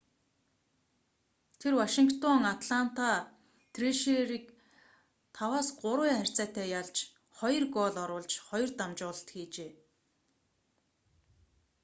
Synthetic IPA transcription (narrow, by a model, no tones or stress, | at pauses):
t̪ʰerwaʃiŋkt̪ʰɔŋat̪ɮan̥t̪a | t̪ʰreʃeɾiːk̚ | t̪ʰawaːsɢʊɾwʊχær̥ʲt͡sæːt̪æːjaɮt͡ɕ | χɔjɞ̆rɡɔːɮɔɾʊːɮt͡ɕχɔjɞ̆rt̪amt͡ɕʊːɮt̪xiːt͡ɕeː